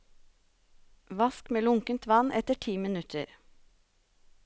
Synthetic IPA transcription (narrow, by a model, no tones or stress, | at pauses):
ʋɑskmeːlʊŋkənt̪ʋɑnʔɛt̪əʈʰiːmɪnʉt̪ʰə̰ɾ